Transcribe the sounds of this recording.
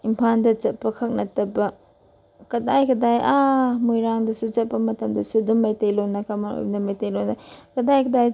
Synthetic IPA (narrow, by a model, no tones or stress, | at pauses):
impʰandɐt͡ʃɐt̚pːɐkʰɐk̚nɐtɐbɐ | kɐdajkʰɐdajʔamojɾaŋdɐsut͡ʃɐt̚pːɐmɐtɐmdɐsudumːajtejlonːɐkamao̰jbɐdɐmajtejlonakɐdajkʰɐdaj